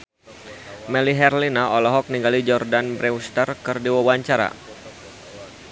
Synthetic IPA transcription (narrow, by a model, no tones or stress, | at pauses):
mɛliɦɛrlinaʔɔlɔɦɔk̚niŋɡalid͡ʒɔrdanbɾɛust̪ərkɨrdiwawaɲt͡ʃaɾa̰